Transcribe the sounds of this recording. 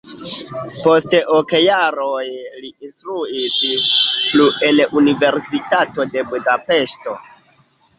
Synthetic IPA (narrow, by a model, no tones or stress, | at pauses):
po̞stʔokjaɾojliinstɾuispluelunive̞ɾsitato̞de̞budape̞ʃto̞